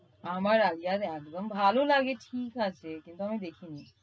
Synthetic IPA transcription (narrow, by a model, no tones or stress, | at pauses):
amaɾaɡijat̪ɛk̚d̪ombʱalolaɡeʈʰikat͡ɕʰekint̪uamid̪ekʰini